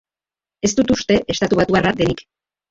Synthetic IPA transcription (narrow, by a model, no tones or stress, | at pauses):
e̞st̪ut̪ust̪e̞ʔest̪at̪uβat̪uarad̪enik